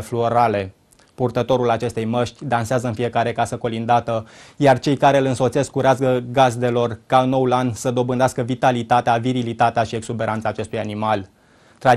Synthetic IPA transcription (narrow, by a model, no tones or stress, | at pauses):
fluoɾale̞ | purt̪ət̪o̞ɾulat͡ʃe̞st̪e̞jməʃt̪ʲd̪anseazəɨnfie̞kaɾe̞kasəko̞lind̪at̪əjart͡ʃe̞jkaɾe̞ɨlɨnso̞t̪se̞skuɾeaskəɡazd̪e̞lo̞rkaɨnːo̞wulansəd̪o̞bɨnd̪easkəvit̪alit̪at̪eaviɾilit̪at̪eaʃie̞ɡsube̞ɾant̪saːt͡ʃe̞st̪ujanimal | t̪ɾa